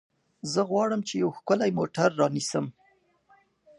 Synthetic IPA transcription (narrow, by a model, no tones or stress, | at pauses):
zəɣwɑɽəmt͡ʃejawxkʊlajmoʈaɾːɑnisəm